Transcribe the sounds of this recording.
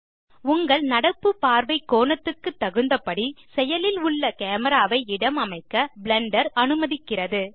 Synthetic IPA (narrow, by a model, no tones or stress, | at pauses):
ʊŋɡɐɭnɐɽɐpːɯpaːɾʋɐɪkːoːɳɐt̪ːɯkːɯt̪ːɐɣɯnd̪ɐpɐɽisɛjɐlɪlʊɭːɐkeːmɐɾaːʋɐɪɪɽɐmɐmɐɪkːɐbɭɛɳɖɐɾɐnɯmɐðɪkːɪrɐðɯ